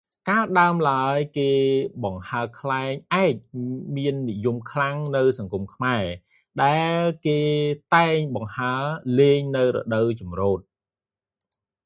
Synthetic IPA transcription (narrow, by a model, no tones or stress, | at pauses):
kaːəɗaəmlaəjkeːɓɑŋhaəkʰlaɛŋʔaɛc̚miənːijumkʰlaŋnɨwsɑŋkumkʰmaɛ | ɗaɛlkeːt̪aɛŋɓɑŋhaəleːŋnɨwrɔ̰ɗəwt͡ɕɑmroːt̪̚